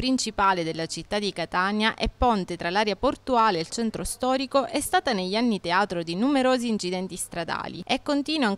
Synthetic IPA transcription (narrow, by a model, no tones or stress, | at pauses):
pɾint͡ʃipaːled̪elːat͡ʃit̪ːad̪ikat̪anjaʔɛpːɔnt̪et̪ɾalaːɾjaport̪uaːleːlt͡ʃɛnt̪ɾost̪ɔːɾikoʔɛst̪aːt̪aneʎːanːit̪eaːt̪ɾod̪inumeɾoːziːnt͡ʃid̪ɛnt̪ist̪ɾad̪a̰ːlḭɛkːont̪iːnwoaŋ